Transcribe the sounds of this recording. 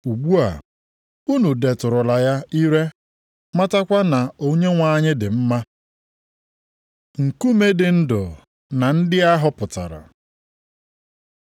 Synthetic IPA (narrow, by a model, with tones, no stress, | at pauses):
u˨ɡ͡bu˦a̰˨ | u˦nu˨de˨tʊ˨ɾʊ˨la˨ja˦i˦ɾe˦ | ma˦ta˦kʷa˦na˨o˦ɲe˦ŋʷa˦ɲɪ˦dɪ˨m̩˦ma˦ | ŋ̩˨ku˦me˦dɪ˨n̩˦dʊ˨ | na˨n̩˦dɪ˦a˦ɦʊ˦pʊ˨ta̰˨ɾa̰˨